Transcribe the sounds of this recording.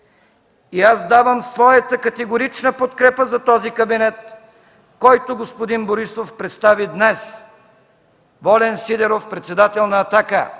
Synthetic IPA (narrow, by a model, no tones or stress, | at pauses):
iazd̪avəmsvɔjət̪əkɐt̪ɛɡoɾit͡ʃnəpot̪kɾɛpəzɐt̪ɔzikɐbinɛt̪̚ | kɔjt̪ʊɡospod̪inboɾisofpɾɛt̪st̪avid̪nɛs | vɔlɛnsid̪ɛɾofpɾɛt̪sɛd̪at̪ɛlˠnɐːt̪akə